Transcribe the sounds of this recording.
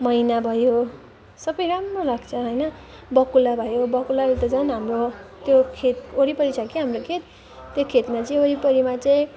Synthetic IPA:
mʌinabʱʌjo | sʌbʌjɾamrolaɡt͡sʰʌɦʌjnʌ | bʌkulabʱʌjobʌkulalet̪ʌd͡zʌnɦamrot̪jokʰet̪̚oɾipʌɾit͡sʰakiɦamrokʰet̪̚ː | jokʰet̪mat͡sʌĩoɾipʌɾimat͡sʌĩ

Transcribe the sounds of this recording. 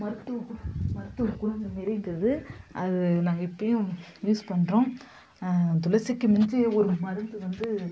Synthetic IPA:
mɐɾɯt̪ːɯmɐɾɯt̪ːɯkʊɾd͡ʒɐmɪɾɪŋɡɾɐðɯʔɐðɯnaːŋɡɐɪpːɐjʊ̃juːspɐɳɾõː | t̪ʊlɐsɪkːɯmɪnd͡ʒɯɔɾɯmɐɾɯnd̪ɯʋɐnd̪ɯ

